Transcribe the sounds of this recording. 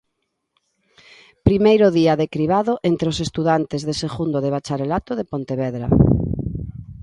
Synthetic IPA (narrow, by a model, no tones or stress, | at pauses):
pɾimejɾʊðiaðekɾiβaðʊʔent̪ɾeosest̪uðant̪ezðeseɣund̪oðeβ̞at͡ʃaɾelat̪oðepont̪eβɛðɾa̰